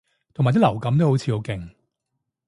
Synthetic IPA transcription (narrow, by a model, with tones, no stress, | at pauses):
t̪ʰo˨˩maː˨˩t̪i˥lɐ˨˩wkɐ˨˥mt̪o˥who˨˥wt͡sʰiː˨˧jo˨˧˥kɪ˨ŋ